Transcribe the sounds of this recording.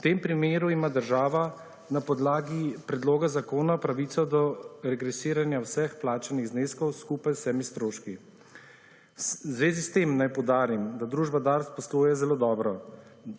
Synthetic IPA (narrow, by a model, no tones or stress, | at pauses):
wt̪empɾimeːɾuimaːd̪əɾʒaːʋa | napɔd̪laːɡipɾɛd̪loːɡazakoːnaɔpɾaʋiːt̪sɔd̪ɔɾɛɡɾɛsiːɾanjawsɛxplaːt͡ʃaniɣzneːskɔwskupajsɛːmist̪ɾoːʃki | zʋeːzist̪emnajpɔwd̪aːɾimd̪ad̪ɾuːʒbad̪aɾspɔslujɛzɛloːd̪ɔːbɾɔ